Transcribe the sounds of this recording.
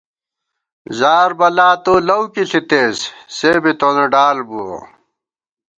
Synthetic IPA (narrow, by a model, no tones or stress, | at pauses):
zaːɾbɐlaːt̪oːlɐwkiɬit̪eːsseːbit̪oneɖaːlbuo̰